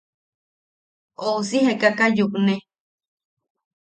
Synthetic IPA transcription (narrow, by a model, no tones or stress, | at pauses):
ousihekakajuknẽ